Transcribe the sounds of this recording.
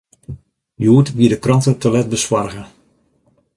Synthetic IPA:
juːtʋiədəkrɑntətalɛt̚bəswarɣə

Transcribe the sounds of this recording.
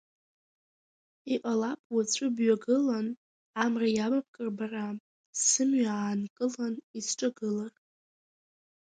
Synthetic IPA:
iʔʼalapʼwat͡sʷʰʼʊbɥaɡɨlan | amrajabap̚ʰkʼɨrbara | sɨmɥaaːnkʼɨlanisʈ͡ʂʼaɡɨlar

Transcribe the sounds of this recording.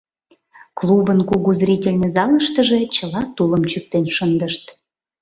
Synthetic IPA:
klˠubənkuɣuzɾʲitʲelʲnĕzɑləʃt̪əʒĕt͡ɕə̆lɑt̪uləmt͡ɕyk̚t̪enʃənd̪əʃt̪

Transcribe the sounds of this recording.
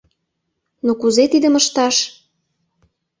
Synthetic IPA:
nokuzet̪id̪əməʃt̪ɑʃ

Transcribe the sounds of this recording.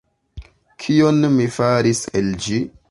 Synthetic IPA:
kʰionmifaɾiseld͡ʒi

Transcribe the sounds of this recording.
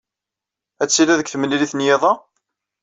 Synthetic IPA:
æt͡sːilæðəkθəmːəliliθnjeðˤɑ

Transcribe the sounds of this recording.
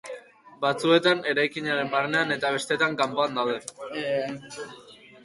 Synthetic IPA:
bat͡sue̞t̪ane̞ɾajkiɲaɾe̞mbarne̞ane̞t̪aβ̞e̞st̪e̞t̪aŋkampo̞and̪awðe̞

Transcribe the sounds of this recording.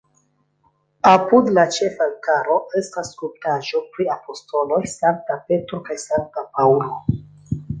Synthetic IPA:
apudlat͡ʃe̞faŋkaɾo̞e̞stasːkup̚taʒo̞pɾiapo̞sto̞lo̞jsaŋk̚tape̞tɾokajsaŋk̚tapaulo̞

